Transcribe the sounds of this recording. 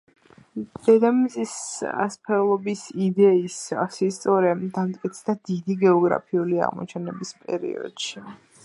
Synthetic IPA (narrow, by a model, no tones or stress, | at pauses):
d̪̥ɛd̪ammzʼisa̰spʰɛlˠɔbisid̪ɛisa̰sist̪sʼɔɾɛd̪amt̪ʼkʼit̪sʰd̪ad̪id̪iɡɛɔɡɾa̰pʰiulia̰ʁmɔ̰t͡ʃʰɛnɛbispʼɛ̰ɾḭɔ̰d̪̥ʃi